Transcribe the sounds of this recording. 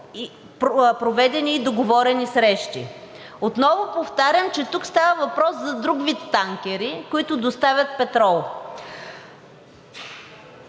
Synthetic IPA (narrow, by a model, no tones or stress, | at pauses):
ppɾovɛd̪ɛniːd̪oɡovɔɾɛnisɾɛʃt̪ḭ | ot̪nɔvopoft̪aɾʲəmt͡ʃɛt̪ukst̪avəvɐpɾɔszɐd̪ɾuɡvit̪ːaŋkʲɛɾikoit̪ʊd̪ost̪avʲɐt̪̚pɛt̪ɾɔlˠ